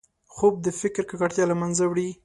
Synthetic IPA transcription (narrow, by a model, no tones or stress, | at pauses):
xob̚d̪əfɪkɾkakaʈt̪jɑlamanzawɽi